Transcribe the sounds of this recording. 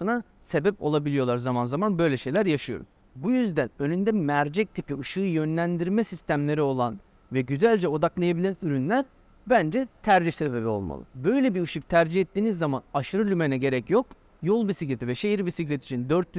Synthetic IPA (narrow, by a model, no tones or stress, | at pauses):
ɯna | se̞bɛpo̞̰lˠabilʲijo̞lˠaɾzamanzamanbø̞jlʲɛʃe̞jlʲæɾjaʃɯjo̞̰ɾṵz | bujyzd̪ænø̞nynd̪ɛmæɾd͡ʒɛc̚t̪ʰipiɯʃɯːjø̞nlʲænd̪iɾmɛsist̪ʰæmlʲe̞ɾio̞lˠan | vɛɟyzælʲd͡ʒɛo̞d̪aklˠajabilʲænyɾynlʲæɾ | bænd͡ʒɛt̪ʰæɾd͡ʒihse̞be̞bio̞̰lˠma̰lˠɯ̰bø̞jlʲɛbiɯʃɯk̚t̪ʰæɾd͡ʒihɛt̪ːiːnizːamanaʃɯɾɯlʲymenɛɟe̞ɾɛcjo̞k | jo̞lˠbisiclʲet̪ʰivɛʃejiɾbisiclʲɛt̪i̥t͡ʃʰind̪øɾt̪ː